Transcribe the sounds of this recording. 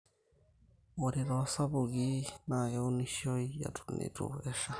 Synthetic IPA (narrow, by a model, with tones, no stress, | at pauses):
oɾi˨ɾoa˨sa˦βu˨ɣi˦na˨jou˦ni˦ʃo˦ija̰˨tunḭɾṵeʃa˦